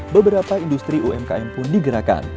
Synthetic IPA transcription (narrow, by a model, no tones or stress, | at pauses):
bəbəɾapaindust̪ɾiʔuɛmka̰ɛmpʊndiɡəɾaka̰n